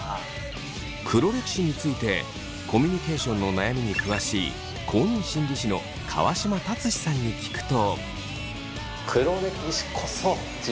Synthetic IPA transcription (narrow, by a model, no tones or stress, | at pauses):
kʰɯ̟ɾo̞ɾe̞ki̥ɕiɲ̟it͡sɨit̪e̞̰ | kʰo̞mʲiɲ̟ike̞ːɕõ̞nːo̞najamʲiɲ̟ikɯ̟βaɕiː | kʰo̞ːɲ̟ĩɰ̃ɕĩɲʲɾʲiɕino̞̰ | kʰa̰βa̰ɕimat̪at͡sɨɕi̥sãɲ̟ːikʲi̥kɯ̟̥t̪o̞ | kʰɯ̟ɾoɾekiɕi̥kʰoso